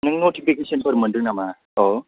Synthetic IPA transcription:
nɯŋnoʈipʰikesɔnpʰɔɾməndɯnama | ɔ

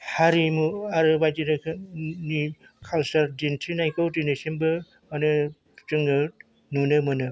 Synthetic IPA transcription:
haɾimuaɾɯbajtiɾɯkʰni | kʰalsɐɾdentʰinajkʰawtinesenbɯ | manɯ | t͡ʃɯŋnɯ | nunɯmɯnɯ

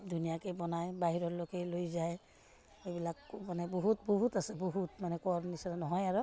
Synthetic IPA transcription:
d̪ʱunijakɛbɔnajbaɦiɹɔɹlokɛlojzaj | ebilakmanɛbɔɦut̚bɔɦutasɛbɔɦutmanɛkɔɹmnisɔnɔnɔɦɔjaɹɔ

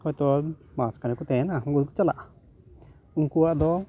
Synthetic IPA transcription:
hɔjt̪ɔmaskanɛkut̪ɛ̃nauŋɡɔd̪kut͡ʃala̰ʔ | uŋkuwaʔd̪ɔ

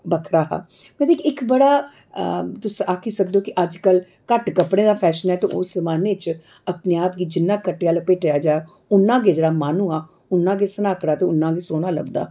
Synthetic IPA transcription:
bəkʰɾaːɦa̰ː | mɛ̃d̪eːkɪkbəɽaː | t̪ʊsaːkʰiːsək̚d̪oːkɪʔəd͡ʒkəl | kəʈkəpɽẽːd̪aːpʰɛːʃənɦɛːt̪õ̰ːʔʊsəmaːneːt͡ʃ | əpneːaːpɡiːd͡ʒɪnːãːkəʈːeaːlopeːʈejaːd͡ʒaːa | ʊnːãːɡeːd͡ʒəɽaːmaːnũːaː | ʊnːãːɡeːsənaːkɽaːt̪eːʊnːãːɡeːsoːñaːlə̰ɡd̪a̰ː

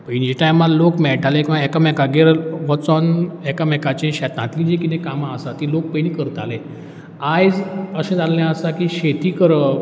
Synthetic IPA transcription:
pənid͡ʑiʈajmallokmɛɭʈʰalẽkĩʋaɛkamɛkaɡeɾʋət͡sɔnɛkamɛkat͡ɕẽɕɛt̪ãt̪id͡ʑikit̪ẽkamãəsat̪ilok̚pənikəɾt̪a̰le | ajd͡zəsẽd͡zalljãəsakiːɕet̪iːkəɾə

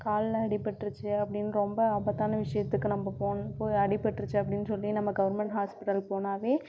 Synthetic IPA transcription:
kaːllɐɽɪpːɐʈːɾɯt͡ʃːɯɐpːɐɽɪnːɯɾɔmbɐɐbɐt̪ːaːnɐʋɪʂɐjɐt̪ːɯkːɯnɐmːɐpoːnpoːjɐɽɪpːɐʈːɾɯt͡ʃːɯɐpːɐɽɪnːɯsɔlːinɐmːɐɡɐʋɐɾmɛɳʈɦaːspɪʈːɐlpoːnaːʋeː

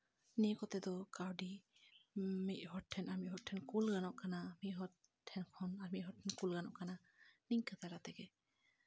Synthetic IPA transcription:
nikɔt̪ɛd̪ɔkawɖi | miʔ̚ˀhɔʈʰɛnaɾmiʔɦɔʈʰɛnkulɡanɔʔkanamiʔ̚ɦɔ | ʈʰːɛnkʰɔnaɾmit̪ɦɔʈʰɛnkulɡanɔʔkana | niŋkat̪aɾat̪ɛɡɛ

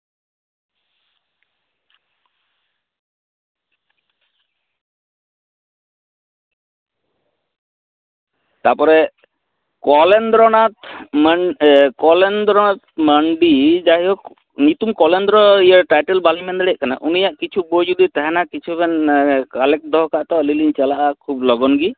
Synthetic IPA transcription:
t̪aɾpɔɾɛ | kɔlɛnd̪ɾɔnat̪mkɔlɛnd̪ɾɔnat̪məɳɖid͡ʒaɦiɔ | nit̪umkɔlɛnd̪ɾɔijaɾʈajʈɛlbalimɛnd̪ɛɽɛaʔkana̰ʔunijaʔkit͡ʃʰubɔd͡ʒud̪it̪ɛɦɛnakit͡ʃʰubɛnkalɛk̚d̪ɔɦkaʔt̪ɔliliɲt͡ʃalaʔakʰublɔɡɔnɡi

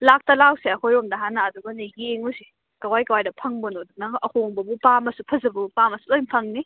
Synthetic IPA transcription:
lak̚tɐlawsiɐkʰojomdɐɦanaɐduɡɐniɡeŋusi | kɐwajkɐwajdɐpʰɐŋbɔnodunɐʔɐhoŋbɐbupamɐsupʰɐzɐbupamɐsulojmpʰɐŋni

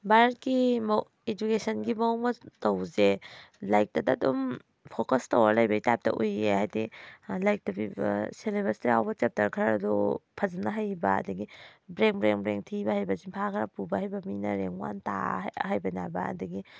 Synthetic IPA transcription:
baɾt̚ɡimɐ | ed͡ʒukesɐnɡimɐmɐtowzelajk̚dɐdɐːdom | pʰokɐstawalɐjbɐitap̚tɐ̰ʔujehajdilajk̚dɐbibɐ̰seleβastajawbɐt͡ʃep̚tɐɾkʰaɾaɾɐdupʰɐzanɐɦajbɐ̰ɐ̰dɐɡibɾeŋbɾeŋbɾeŋtʰibɐhajbɐziŋpʰakʰɾapubɐhajbɐminɐɾeŋwa̰nta̰hajbɐnabɐɐ̰dɐɡi

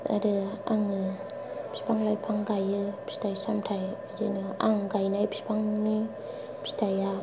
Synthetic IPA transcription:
a̰ɾɯaŋɯ | pʰi̥spʰaŋlajpʰaŋɡajɯpʰi̥stajsamtʰaj | zɯnɯaŋɡajnajpʰi̥spʰaŋni | pʰi̥stʰaja

